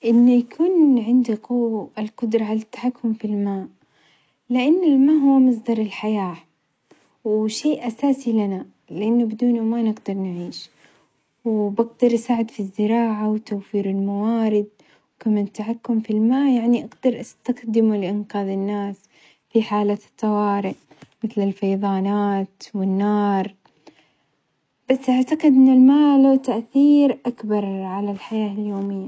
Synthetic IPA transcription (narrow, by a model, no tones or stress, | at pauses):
ʔɪnːʊjakʰuːnʕɪnd̪iqʊwɪlqʊd̪ɾˤɑʕalat̪ːḁħakːʊmfilmaːʔ | lɪʔanːɪlmaːʔɦuwːmɑs̬ˤd̪ɑɾˤɪlħajaː | wʃeːʔʔasaːsilana | lɪʔanːʊbɪd̪uːnumaːnɪɡd̪ɑɾˤnɪʕiːʃ | wbɪɡd̪ɑɾˤʔsaːʕɪd̪fizːɪɾɑːʕawt̪awfiːɾɪlmawaːɾɪd̪̚ | wkamant̪ːaħakːʊmfilmaːjaʕniʔaɡd̪ɑɾˤʔast̪axd̪ɪmulɪʔɪnqɑːðɪnːaːs | fiħaːlat̪ːɑwɑːɾɪʔ | mɪθlɪlfɑjðˤɑːnaːt̪wɪnːɑːɾˤ | b̥asːʔaʕt̪aqɪd̪ʔɪnːɪlmaːlawt̪aʔθiːɾʔakbɑɾˤʕalalħajaːljoːmɪjːa